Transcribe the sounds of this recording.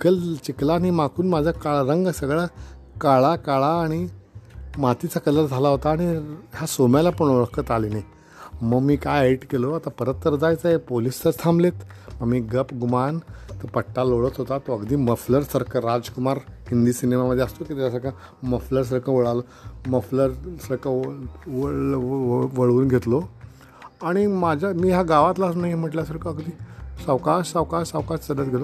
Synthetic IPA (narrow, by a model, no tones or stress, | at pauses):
kəlt͡ɕiklaɽ̃imakʰuːnmad͡zʱakaɭɾəŋɡsəɡɭakaɭakaɭaːɽ̃i | mat̪it͡sakələɾd͡zʱalaɦot̪aːɽ̃iɦjasomjalapəɳ̃uɭəkət̪alinaj | məɡmiːkajeʈkeloat̪apəɾət̪ːəɾd͡zajt͡saepolistət̪ʰãmblet̪məɡmiːɡəpɡumant̪əpəʈːaloɭət̪ɦot̪at̪oəɡd̪iːməfləɾsəɾkʰəɾad͡zkumaɾhind̪iːsinemaməd̪ʱːjeəst̪okit̪jasəɾkʰa | məfləɾs̬əɾkʰəʋəɭalo | məfləɾsəɾkəʋ | ʋəɭuːnɡʱet̪lo | aɽ̃imad͡ʑʱamiːɦaɡaʋat̪lasnaɦim̤əʈljasəɾkʰəəɡd̪iːsəʋkaʂsəʋkaʂsəʋkaʂt͡sədət̪ɡʱelo